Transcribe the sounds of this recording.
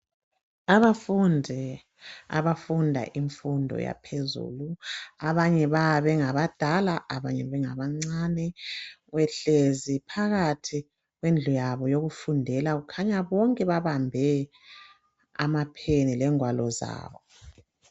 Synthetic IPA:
aβafundʱi | a̰βafundʱa̰ʔiɱfundʱɔ̰ja̰pʰezṵːluaβaɲɛβaβɛŋaβad̥ʱalaʔaβaɲɛβɛŋaβaŋ͡ǀanɛɣwɛɬezipʰaɣatʰi | ɣwend͡ɮʱujaβɔjoɣufundʱɛlaɣukʰaɲaβɔŋkʼɛβaβambʱɛ | a̰mapʰenilɛŋwalɔza̰ːβɔ

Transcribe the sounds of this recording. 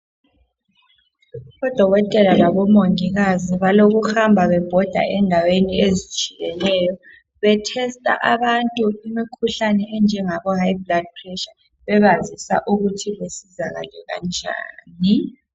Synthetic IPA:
βɔd̥ʱɔɣɔtʼɛlalaβɔmoŋiɣaziβaloɣuhambʱaβɛb̥ʱɔd̥ʱa̰ʔɛndʱaweniezi̥t͡ʃʼiɣɛnɛjɔ | βɛtʰɛstʼa̰ʔaβantʼuimikʰuɬanɛɛnd͡ʒʱɛŋaβɔhaibʱlad̚pʰrɛʃa | βɛβazisa̰ʔuɣutʰiβesizaɣa̰lɛɣa̰nd͡ʒʱa̰ːni

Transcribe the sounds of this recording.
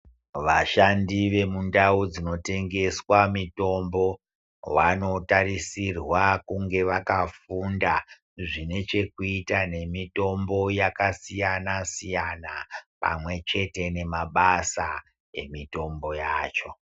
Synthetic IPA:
ʋaʃandiʋe̞mundaud͡zino̞te̞ŋɡe̞swamito̞mbo̞ | wano̞tarisirwakuŋɡe̞ʋakafunda | ʐine̞t͡ʃe̞kuitane̞mito̞mbo̞jakasijanasijanapa̰mwe̞t͡ʃe̞te̞ne̞maɓasa | e̞̰mito̞mbo̞jaːt͡ʃo̞

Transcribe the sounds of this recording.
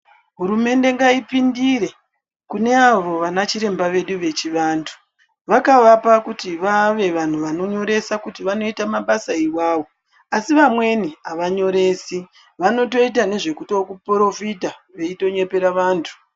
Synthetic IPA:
ɦuɾume̞nde̞ŋɡaipindiɾe̞ | kune̞aʋo̞ʋanat͡ʃiɾe̞mbaʋe̞ɗuʋe̞t͡ʃiʋaːntʰu̥ | ʋakaʋapakutiʋaʋe̞ʋan̤uʋano̞ɲo̞ɾe̞sakutiʋano̞itamaɓasaiwaːʋo̞ | asiʋamwe̞niaʋaɲo̞ɾe̞ːsi | ʋano̞to̞it̬ane̞ʐe̞kuto̞kupro̞fitaʋe̞ito̞ɲe̞pe̞ɾaʋaːntʰu̥

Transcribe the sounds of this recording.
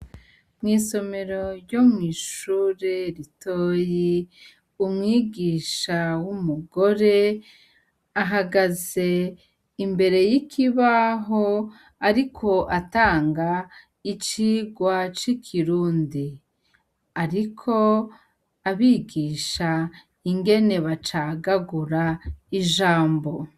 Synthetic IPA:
mŋiːso̞me̞ɾo̞ɾjo̞mŋiːʃuːɾe̞ɾitʰoːji | umŋiːɡiːʃawumuɡo̞ɾe̞ | aɦaɡaze̞ | imbe̞ɾe̞jikʰiβaɦo | aɾikʰo̞ʔataːŋɡa | it͡ʃiːɡwat͡ʃikʰiɾuːndi | aɾikʰo̞ | aβiːɡiːʃa | iŋɡe̞ne̞βat͡ʃaɡaɡuɾaiʒaːmbo̞

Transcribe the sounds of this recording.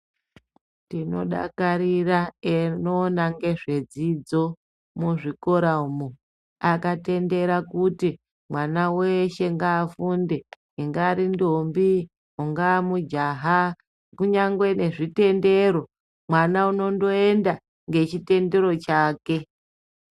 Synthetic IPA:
tino̞̰ɗa̰kaɾiraenoːnaŋɡe̞ʐe̞d͡zid͡zo̞ | muʐiko̞ɾaumu | akate̞nde̞ɾakuti | mwanaweʃe̞ŋɡaːfunde | iŋɡaɾindombi | uŋɡamud͡ʒaɦa | kuɲaŋɡwene̞ʐite̞nde̞ɾo̞ | mwanauno̞ndo̞e̞nda | ŋɡe̞t͡ʃite̞nde̞ɾo̞t͡ʃaːke̞

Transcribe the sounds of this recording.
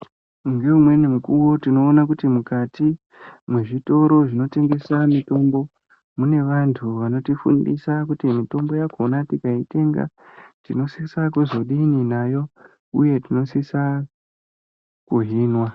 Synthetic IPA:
mɡeumwe̞nemukuwo̞tino̞ːnak̬utimukati | mweʐito̞ɾo̞ʐino̞te̞ŋɡe̞samito̞mbo̞ | mune̞ʋantʰuʋano̞tifṵndḭsakutimito̞mbo̞jakonatikaite̞ŋɡa̰ | tino̞sisakuzo̞ɗininajo̞ | uje̞tino̞sisa | kuɦiːnwa

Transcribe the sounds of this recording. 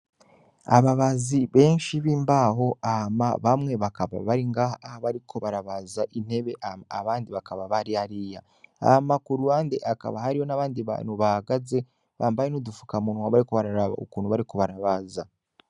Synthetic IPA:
a̰βaβaziβe̞ːnʃiβiːmbaɦo̞ama̰βamŋe̞βakaβa̰βaɾiŋɡahaahaβaɾikʰo̞βaɾaβazaʔin̥e̞βe̞ʔaaβaːndiβakaβaβaɾihaɾija | amakuɾuaːndeʔaka̰βahaɾiho̞naβaːndiβa̰nhuβahaɡaze̞ | βaːmbajenudufu̥kamunwaβaɾiko̞βaɾaɾaβa̰okuːn̤huβaɾiko̞βaɾaβaza

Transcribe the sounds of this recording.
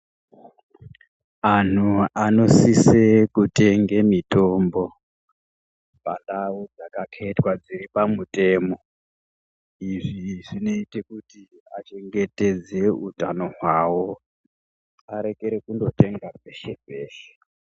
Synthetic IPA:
an̤uano̞sisekute̞ŋɡemito̞mbo̞ | pandawud͡zakakʰetwad͡ziripamutʼe̞ːmo̞ | iʐiʐino̞ite̞kuti | a̰t͡ʃe̞ŋɡe̞te̞d͡ze̞utano̞ɦwawo̞ | aɾe̞ke̞ɾekundo̞te̞ŋɡape̞ʃepeːʃe̥

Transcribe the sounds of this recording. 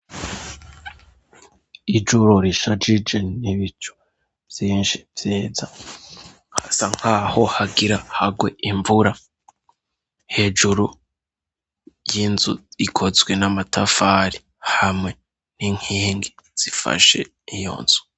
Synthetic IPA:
id͡ʒuɾoɾiʃad͡ʒid͡ʒe̞niβit͡ʃu̥ | vjiːnʃi̥vjeːza | hasaŋ̥haːho̞haɡiɾahaɡwe̞ʔiɱvuɾa | he̞ːd͡ʒuɾu | jinzṵikʰo̞zwe̞namatʰafaɾi | hamŋe̞ | niŋhiːŋɡiz̥ifa̰ʃe̞̰ | ijo̰nz̥u̥

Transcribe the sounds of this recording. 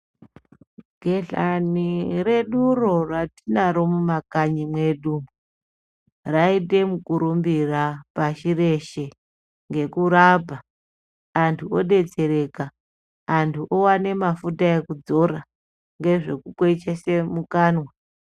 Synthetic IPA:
ɡ̥ʱe̞ɮa̰nire̞ɗuro̞ratinaɾo̞mumakaɲimwe̞ɗu | raite̞mukuɾumbirapaʃire̞ʃe | ŋɡe̞kuɾapaː | ntʰuoɗe̞d͡ze̞ɾe̞kaː | ntʰuʔowane̞mafutae̞kud͡zo̞ra | ŋɡe̞ʐe̞kukwet͡ʃesemukaːnwa

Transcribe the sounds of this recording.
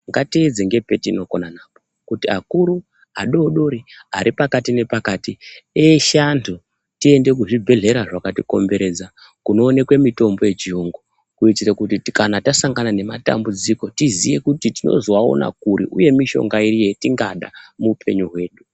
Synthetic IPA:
ŋɡatied͡zeŋɡe̞pe̞tiːno̞konanaːpo | kutiakuɾu | aɗo̞ːɗo̞ɾia̰ɾipakatine̞pakatieʃantʰu | tie̞nde̞k̬uʐibʱe̞ɮe̞ɾaʐakatiko̞̰mbe̞ɾe̞d͡za | kuno̞ːne̞kwe̞mito̞mbo̞je̞t͡ʃiuŋɡo | kuitiɾekutikanatasaŋɡanane̞mata̰mbud͡ziko̞tizije̞kutitino̞̰zowao̞̰na̰k̚uɾḭʔuje̞miʃo̞̰ŋɡaiɾijetiŋɡaɗa̰muːpʰe̞̰ɲuɦwe̞ːɗu

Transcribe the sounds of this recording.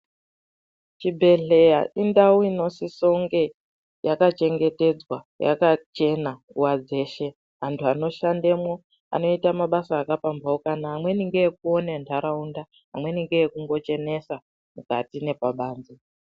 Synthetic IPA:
t͡ʃibʱe̞ɮe̞jaʔindauino̞siso̞ŋɡe̞ | jakat͡ʃe̞ŋɡe̞te̞d͡zwa | jʔa̰kat͡ʃe̞nauwad͡ze̞ːʃe̞ | ɦantʰuano̞ʃande̞mwo̞ | a̰no̞itamaɓasaːkapambaokanaɦːmwe̞niŋɡejek̚uo̞nentʰaɾaunda | ɦa̰mwe̞niŋɡejekuŋɡo̞t͡ʃe̞ne̞sa | mukatine̞paɓaːnd͡zi

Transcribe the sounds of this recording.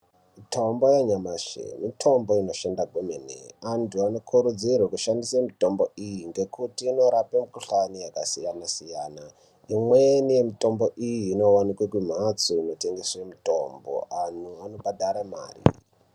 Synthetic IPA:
itʰombojaɲamaʐḛmitʰo̞mbo̞ino̞ʃendaɡʱumenḛantʰuano̞kʰuɾud͡zirwekuʃandisamito̞mbo̞ijiŋɡe̞kutiːno̞ɾapemukuɬanijakasijanasijaːna | imwenije̞mito̞mbo̞ʔijiːno̞wanikwekwim̤at͡soino̞te̞ŋɡe̞swemito̞mbo̰ʔanuano̞badʱaɾama̰ːrḭ

